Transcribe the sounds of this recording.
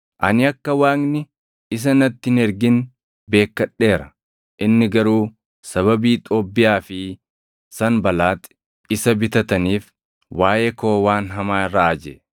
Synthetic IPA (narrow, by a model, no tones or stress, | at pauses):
ʔɐ̰nɪɐkːɐwaːknɪ | ɪs̬ɐnɐt̪ːɪnɛɾɡɪn | be̞ːkːɐɗːe̞ːɾɐ | ʔɪnːɪɡɐɾuː | sɐβɐbiːt̪ʼoːbːɪjaːfɪ | sɐnbɐlaːt̪ | ɪsɐbɪt̪ɐt̪ɐniːf | waːjeːkoːwaːnɦɐmaːaʔɐd͡ʒɛ